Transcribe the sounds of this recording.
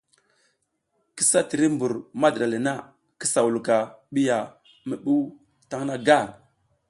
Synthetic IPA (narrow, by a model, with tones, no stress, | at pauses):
ki˦sa˦ti˨ɾi˦mbu˨ɾma˦dɗa˨li˨na˦ | kə˦sa˨wu˨lu˨ka˨ɓi˦ja˨ | mə˨ɓu˦ | ta˦ŋna˦ɡa˦˨ŋ